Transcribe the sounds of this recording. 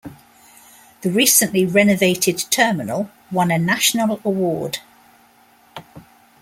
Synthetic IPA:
ðəɹiˑsə̃nʔliɹɛnəveɪtʰɪd̚tʰɜːmɪnəlˠ | wʌ̃nənaʃənələwɔːd̥

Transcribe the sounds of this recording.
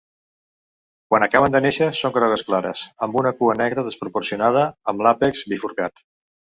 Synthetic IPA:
kwanəkaβənd̪əneʃəsoŋkɾɔɣəsklaɾə̰səmbunəkuənɛɣɾəðəspɾupuɾsiunað̞əːmlapekzbifuɾkat̪

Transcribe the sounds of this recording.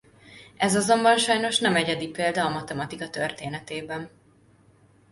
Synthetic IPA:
ɛzɒzo̞mbɒnʃɒjno̞ʃn̪ɛmɛɟɛd̪ipeːld̪ɒːmɒt̪ɛmɒt̪ikɒt̪ørt̪eːnɛt̪eːbɛn

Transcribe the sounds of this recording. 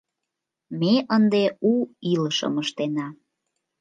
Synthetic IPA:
meʔənd̪euiləʃə̰məʃt̪enɑ

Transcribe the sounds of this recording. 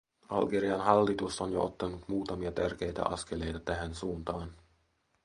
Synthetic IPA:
ɑ̰lɡeɾiɑnɦɑlːit̪ust̪onjoʔo̰t̪ːɑnut̪muːt̪ɑmiɑt̪ærk̟e̞jt̪æ̰ʔɑskele̞jt̪ɑt̪æɦænsuːnt̪ɑːn

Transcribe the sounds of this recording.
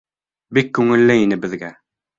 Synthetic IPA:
bikːʉŋɘ̆lːɘinɘbɘ̆ðɡæ

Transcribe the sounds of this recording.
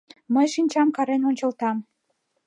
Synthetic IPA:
məjʃinʲt͡ɕɑmkɑɾenonʲt͡ɕəlt̪ɑm

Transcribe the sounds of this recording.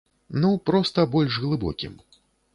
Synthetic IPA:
nupɾɔst̪ɐbɔlʲʒɣlˠɨbɔ̰kʲḭm

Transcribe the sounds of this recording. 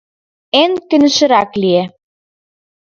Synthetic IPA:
enkɘ̆nɘ̆ʃɘ̆ɾɑklie

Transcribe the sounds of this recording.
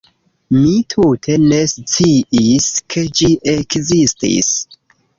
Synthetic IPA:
mitʰutʰe̞ne̞st͡siiskʰe̞d͡ʒiʔekzistḭs

